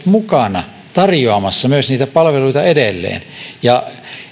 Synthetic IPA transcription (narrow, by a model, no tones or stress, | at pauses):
t̪mukɑnɑ | t̪ɑrjoɑmɑsːɑmyøsniːt̪æpɑlʋeluit̪ɑedelːḛːnjɑ